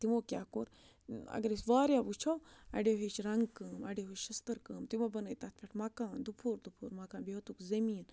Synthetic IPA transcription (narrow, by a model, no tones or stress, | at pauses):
t̪imoːkʲaːkoɾ | ɐ̰ɡəɾisʋaːɾjaːbut͡ʃʰowɐ̰ɖeɦet͡ʃɾɐŋɡkɐːmɐɖeɦuʃɐst̪ɐɾkəːmt̪imobɐnəːjt̪at̪̚ʰpʰʲeʈʰmɐkaːnd̪upʰuːɾd̪upʰuːɾmɐkaːnbiɦot̪ukzɐmiːn